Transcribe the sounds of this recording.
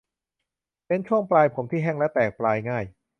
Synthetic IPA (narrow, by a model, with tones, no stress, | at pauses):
pe˧nt͡ɕʰu˥˩əŋplaː˧jpʰo˩˦mt̪ʰiː˥˩ɦɛ˥˩ŋlɛ˦˥t̪ɛː˨˩k̚plaː˧jŋaː˥˩j